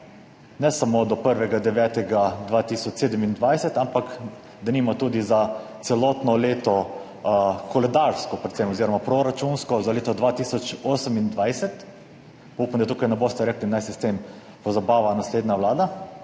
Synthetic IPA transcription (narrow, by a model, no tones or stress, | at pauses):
nɛsamod̪ɔpəɾʋɛɡad̪ɛʋjɛːt̪ɛɡad̪ʋat̪isɔt͡ʃseːd̪əmind̪ʋajsɛt̪ampak | d̪aniːmat̪uːd̪izat̪sɛlɔt̪nɔleːt̪ɔ | kɔlɛd̪aɾskɔpɾɛt̪sɛmɔziːɾɔmapɾoɾat͡ʃunskɔzaleːt̪ɔd̪ʋaːt̪isɔt͡ʃoːsəmind̪ʋajsɛt̪ | pɔupamd̪at̪uːkajnɛbost̪ɛɾeklinajsist̪em | pɔzabaːʋanasleːd̪naʋlaːd̪a